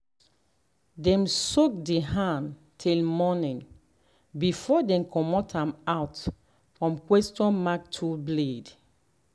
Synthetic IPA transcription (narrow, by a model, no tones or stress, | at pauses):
dɛ̃msok̚deɦãn | tʰilmɔnĩn | bifɔdɛ̃mkɔmɔtʰãmat | fɹɔ̃mkwɛstɔ̃nmak̚tʰulbled